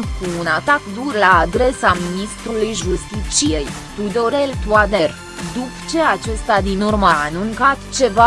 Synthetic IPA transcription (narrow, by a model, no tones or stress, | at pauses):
kuːnat̪akd̪urlaːd̪ɾe̞saminist̪ɾulujʒust̪it͡ʃije̞j | t̪ud̪o̞ɾe̞lt̪uad̪er | d̪upt͡ʃe̞at͡ʃe̞st̪ad̪inurməːnuŋkat̪t͡ʃe̞va